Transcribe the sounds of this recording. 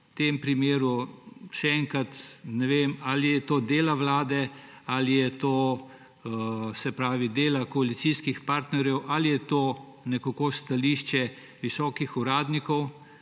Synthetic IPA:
t̪eːmpɾimeːɾuʃɛɛŋkat̪nɛʋemalijɛt̪oːd̪eːlaʋlaːd̪ɛalijɛt̪oː | sɛpɾaːʋid̪eːlakɔalit̪siskixpaɾt̪nɛɾjɛwʔalijɛt̪oː | nɛkakost̪aliːʃt͡ʃɛ | ʋisɔːkixuɾaːd̪nikɔw

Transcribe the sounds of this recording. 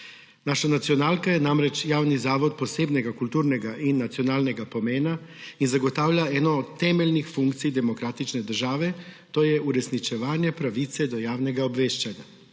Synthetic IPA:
naːʃanat̪siɔnaːlkajɛnamɾɛt͡ʃjaːwnizaːʋɔt̪̚pɔseːbnɛɡakult̪uːɾnɛɡaʔinːat̪siɔnaːlnɛɡapɔmeːnainzaɡɔt̪aːwljaɛːnɔːt̪t̪ːɛːmɛlnixfuŋkt̪sijd̪ɛmɔkɾaːt̪it͡ʃnɛd̪əɾʒaːʋɛt̪oːjɛuɾɛsnit͡ʃɛʋaːnjɛpɾaʋit̪sɛd̪ɔjaːwnɛɡaɔbʋeːʃt͡ʃanja

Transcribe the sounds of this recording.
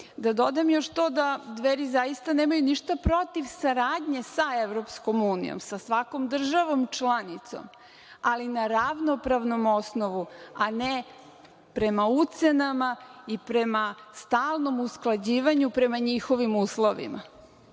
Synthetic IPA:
d̪ad̪o̞d̪amjo̞ʃt̪o̞d̪ad̪ʋeɾizajist̪aneːmajuniʃt̪apɾo̞t̪iʋsaɾaːd̪ɲe̞saeʋɾo̞psko̞muːnḭjo̰msasʋako̞md̪r̩ʒaʋo̞mt͡ʃlˠanit̪so̞̰m | alinaɾaʋno̞pɾaʋno̞mo̞sno̞ʋuane | pɾe̞maut̪se̞namaipɾe̞mast̪aːlˠno̞musklˠad͡ʑiːʋaɲupɾe̞maɲixo̞ʋimuːslˠoʋḭma̰

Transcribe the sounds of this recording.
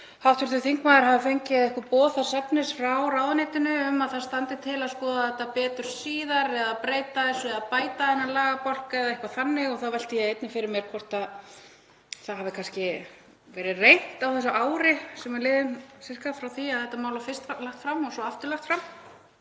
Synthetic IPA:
hawft̪vʏɾ̥t̪ʏθiŋkmaːðɪɾɦavɪfejɲcɪðɛhkvapɔːθaɾsɛpnɪsfɾawraːwðanɪːt̪ɪnʏːmaðθḁst̪ant̪ɪt̪ʰɪlaðspɔːðaθɛht̪ːapɛːt̪ʏɾ̥siːðaɾɛðapɾeːjt̪aɛsɔɛðapaːjt̪aðɛnːalaːɣapɔl̥kaɛðaehkvaθanːɪɣɔθawvɛl̥t̪ɪjɛejt̪nɪfɪɾɪɾmjɛɾ̥kʰvɔr̥t̪að | θaðɦavðɪkʰanscɪ | vɛːɾɪrejn̥t̪awθɛsaʔaːwɾɪsɛmalɪːðɪnsɛskafɾawθiaðθɛht̪ːamaːwlafɪst̪laxt̪fɾamːɔsɔaft̪ʏɾlaxt̪fɾam

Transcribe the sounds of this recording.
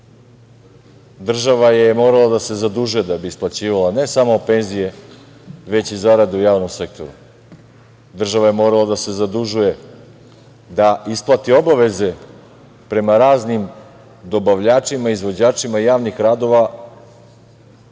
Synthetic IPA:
d̪r̩ʒaʋajemo̞ɾalˠad̪ase̞zad̪uʒuje̞d̪abiːsplˠat͡ɕiːʋalˠane̞samope̞nzije̞ | ʋe̞t͡ɕizaɾad̪eujaːʋno̞mse̞k̚t̪ʰo̞̰ɾu | d̪r̩ʒaʋaje̞mo̞ːɾalˠad̪ase̞zad̪uʒuje̞ | d̪aisplˠat̪io̞baʋe̞ze̞ | pɾe̞maɾaːznim | d̪o̞baʋʎaːt͡ʃimaizʋo̞d͡ʑaːt͡ʃimaijaːʋnixɾaːd̪o̞ʋa

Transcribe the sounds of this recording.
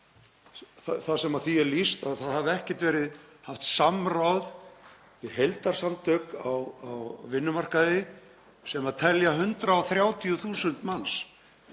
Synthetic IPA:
θaθasɛmaðθiɛɾlist̪aðθaðhavɛhcɛ̥ht̪vɛːɾɪð | haft̪samrawð | vɪðɦejlt̪aɾ̥samt̪ʰœkawawvɪnːʏmar̥kaðɪ | sɛmaðt̪ʰɛljaɦʏnt̪ɾaɔθɾjaːwt̪ʰiʏθuːsʏnt̪mans

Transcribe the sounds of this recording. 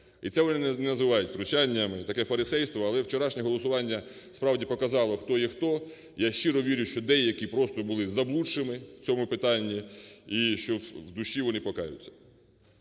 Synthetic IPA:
ḭt̪sɛʋɔnɪnnɛnɐzɪʋɑjʊtʲt̪ɾʊt͡ʃanʲːɐmɪt̪ɐkɛfɐɾɪsɛjst̪ʋɔɐlˠɛwt͡ʃeɾɑʃnʲɛɦɔlˠɔsʊʋɑnʲːɐ | spɾɑwdʲipɔkɐzɑlˠɔxt̪ɔixt̪ɔ | jaʃt͡ʃiɾɔʋʲiɾʲʊʃt͡ʃɔd̪ɛjɐkʲipɾɔst̪ɔbʊlˠɪzɐblˠuɪmɪwt͡sʲɔmʊpɪt̪ɑnʲːiiʃt͡ʃɔwd̪ʊʃːiʋɔnɪpɔkɑjʊ̰t͡sʲːɐ̥

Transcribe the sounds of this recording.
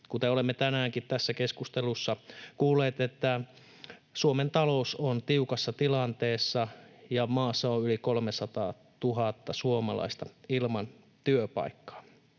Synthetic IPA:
kut̪eolemːet̪ænæːŋkit̪t̪æsːækeskust̪elusːɑkuːlːˑeːt̪et̪ːæ | suoment̪ɑlousont̪iukɑsːɑt̪ilɑnt̪eːsːɑjɑmɑːsːɑoylikolmesɑt̪ɑ̰ː | t̪uɦɑt̪ːɑsuomɑlɑ̰ist̪ɑilmɑn | t̪yøpɑ̰ikːɑ̥ː

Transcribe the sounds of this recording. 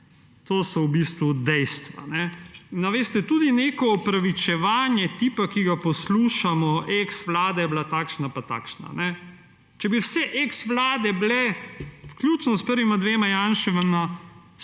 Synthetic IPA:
t̪oːsɔwbist̪ʋud̪ɛjst̪ʋa̰nɛnaʋeːst̪ɛt̪uːd̪inekɔɔpɾaʋit͡ʃɛʋaːnjɛt̪iːpakiɡapɔsluːʃamɔʔeksʋlaːd̪ɛjɛblat̪aːkʃnapat̪a̰ːkʃna̰nɛ | t͡ʃɛbiwsɛʔeksʋlaːd̪ɛblɛwkljut͡ʃnɔspəɾʋimad̪ʋeːmajanʃɛʋɛma

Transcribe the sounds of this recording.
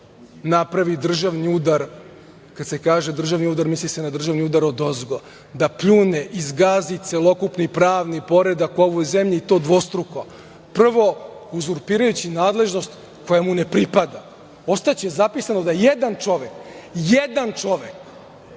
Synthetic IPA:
napɾaʋid̪r̩ʒaʋniud̪aɾ | kad̪se̞kaːʒe̞d̪r̩ʒaʋniuːd̪aɾmislisenad̪r̩ʒaʋniud̪aɾod̪o̞zɡo | d̪apʎuneʔizɡaːzit̪se̞lˠo̞kupnipɾaːʋnipo̞ɾe̞d̪ako̞ʋojzemʎiːt̪o̞ːd̪ʋo̞st̪ɾuko | pr̩ʋo̞uzuɾpiːɾajut͡ɕinaːd̪le̞ʒno̞st̪ | ko̞jamune̞pɾipad̪a | o̞st̪at͡ɕezapisanod̪ajed̪ant͡ʂo̞ʋekjed̪ant͡ʃo̞ʋek

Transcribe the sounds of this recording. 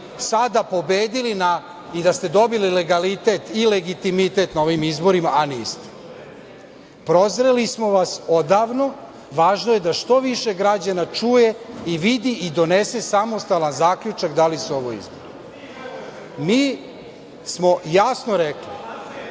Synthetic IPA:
sad̪apo̞beːd̪ilina | id̪ast̪e̞d̪o̞bilileɡalit̪e̞t̪ile̞ɡit̪imit̪e̞t̪nao̞ʋimizbo̞ɾimaʔanist̪e̥ | pɾo̞zɾelismo̞ʋaso̞d̪aːʋno̞ | ʋaːʒnoje̞d̪aʃt̪o̞ʋiʃe̞ɡɾad͡ʑanat͡ʂuːje̞iʋid̪iʔid̪o̞nesesamo̞st̪alanzaːkʎut͡ʃakd̪alisuo̞ʋoḭzbo̰ɾi | miː | smo̞jasno̞ɾekli

